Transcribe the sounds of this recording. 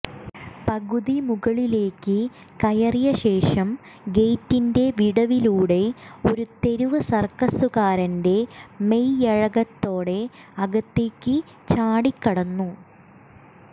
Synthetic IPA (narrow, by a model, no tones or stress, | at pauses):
pɐɣuðimuɣɐɭile̞ːkːɨ | kɐjɐrijɐɕe̞ːʂɐm | ɡe̞jtːinde̞ʋiɽɐʋiluːɽe̞o̞ɾut̪e̞ɾuʋɐsɐrkɐsuɣaːɾɐnde̞mejɐɻɐɣɐt̪ːo̞ːɽe̞ | ɐɡɐt̪ːe̞ːkːɨ | t͡ɕaːɽikːɐɽɐnːu